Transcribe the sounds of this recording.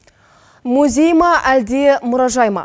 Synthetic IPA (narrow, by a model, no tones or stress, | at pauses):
muzʲejmɑʔæld̪emʊɾɑʒɑjmɑ̰